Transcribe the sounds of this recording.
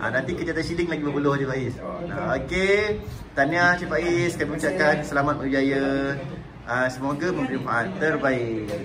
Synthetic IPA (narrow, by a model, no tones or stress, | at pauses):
ʔa̰nant̪ikət̪iat̪anʃiliŋlaɡibəpuloht͡ʃipaisa̰oke | t̪aniat͡ʃipaiskaməmit͡ʃaʔkansəlamat̪̚məd͡ʒajə | əsəmoɡamə̃mpəɾimpaant̪ərbai